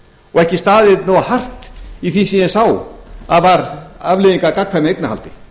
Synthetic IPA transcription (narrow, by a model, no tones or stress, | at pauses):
ɔɣɛhcɪst̪aːðɪðnowahar̥t̪iθisiɛnsaːwaðvaɾavlɪðiŋkakakfɛnɪejk̪̚naha̰lt̪ɪ̥